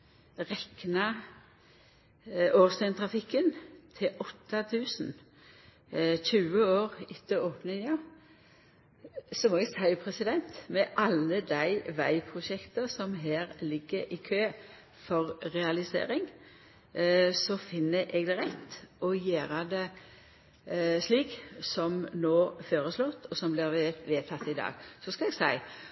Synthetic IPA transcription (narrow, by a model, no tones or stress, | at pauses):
ʁɛknɑ | oːst̪ɛnt̪ʰʁɑfɪkːənt̪ʰɪlʔɔt̪ːɑt̪ʰʉːsn̩ | çʉːəoːʁɪt̪ːəoːpnɪŋɑ | sɔmoːɛɡsæɪpʰʁɛsɪd̪ɛnt̪mɛʔɑlːəd̪æɪʋæɪpʰɾʊʃɛkt̪əsɔmɦæːʁlɪɡːəɾɪkʰøː | fɔʁɾɛɑlɪsḛːɾɪŋ | sɔfɪnːəʔɛɡd̪ɛɾɛt̪ːʔɔjæːɾəd̪ɛ | sliːksɔmnoːføːɾəslɔt̪ːɔsɔmblɪʁʋeːt̪ʰɑt̪ːɪd̪ɑ̰ːɡsɔskɑlɛɡsæɪ